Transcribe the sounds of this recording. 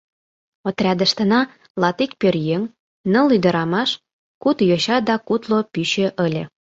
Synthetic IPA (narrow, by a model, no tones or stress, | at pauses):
ot̪rʲɑd̪ə̆ʃt̪ənɑ | lɑt̪ik̚pørjeŋ | nɤ̆lyd̪ə̆ɾɑmɑʃ | kut̪joɕɑd̪ɑkut̪lopyɕø̆ʔəlʲĕ